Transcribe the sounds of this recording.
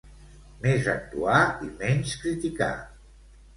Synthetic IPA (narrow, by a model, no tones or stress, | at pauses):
mezak̚t̪uaimɛnskɾit̪ika̰